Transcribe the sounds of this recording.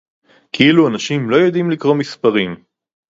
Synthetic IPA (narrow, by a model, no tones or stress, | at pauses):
kʰiiluanaʃimlo̞jo̞d̪imlikʁo̞mispaʁim